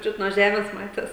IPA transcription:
ˈt͡ʃʲʊt nuɔ ˈʒʲæːmʲeːs ˈmɑːtʲeːs

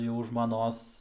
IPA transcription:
jɛʊ ʒmɐˈnoːs

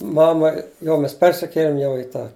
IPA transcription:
ˈmɑːmɐ ˈjɛʊ ˈmʲɛs ˈpʲɛrʲsʲɪkʲeːlʲɪm jɛʊ ɪ ˈtɑː

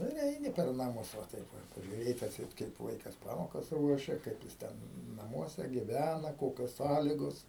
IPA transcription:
ˈnʊ ɪr ˈɛɪnʲɪ pʲɛr nɐˈmʊs ʋɐ ˈtɐɪp ˈʋɐ pɐʒʲʊˈrʲeːtʲ ɐtʲˈsʲɛɪt kɐɪp ˈʋɐɪkɐs ˈpɑːmoːkɐs ˈruɔʃʲɛ ˈkɐɪp jɪs ˈtʲɛn nɐˈmuɔsʲɛ ɡʲɪˈʋʲænɐ ˈkoːkʲoːs ˈsɑːlʲɪɡoːs

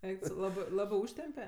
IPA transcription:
ˈɛɪk tʊ ˈsɐʊ ˈlˠɑːbɜ ˈlˠɑːbɜ ˈuːʃʲtʲɛmʲpʲɛ

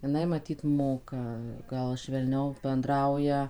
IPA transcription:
jɪˈnɐɪ mɐˈtʲiːt ˈmoːkɐ ˈɡɐlˠ ʃʲʋʲɛlʲˈnʲɛʊ bʲɛnˈdrɐʊjɛ

